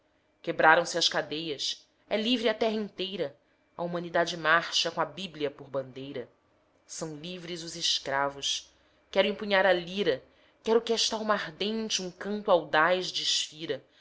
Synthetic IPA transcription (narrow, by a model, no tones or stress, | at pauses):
kebɾaɾɐ̃w̃sɪɐskad̪ejɐs | ɛlivɾɪɐt̪ɛɦɐĩnt̪ejɾɐ | ɐ̰umɐ̃nid̪ad͡ʒɪmaɾʃɐkõabibliɐpʊɾbɐ̃nd̪ejɾɐ | sɐ̃w̃livɾizʊzɪʃkɾavʊs | kɛɾʊẽmpuɲaɾɐliɾɐ | kɛɾʊkeʃt̪aɾumaɦd̪ẽnt͡ʃɪũŋkɐ̃nt̪wawd̪ajzd͡ʒɪʃfiɾɐ